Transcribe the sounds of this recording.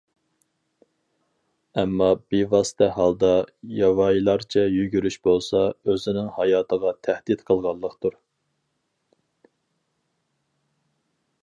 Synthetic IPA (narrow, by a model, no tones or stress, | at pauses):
ɛmːɑbivɑːsɨ̥t̪ʰɛɦɑlˠd̪ɑjɑwɑjilˠɑɾt͡ʃʰɛjyɡʲyɾyʃbolˠsɑøzɪnɪŋhɑjɑːt̪ʰəʁɑt̪ʰæhd̪ɪt̪qʰəlˠʁɑlˠːəqt̪uɾ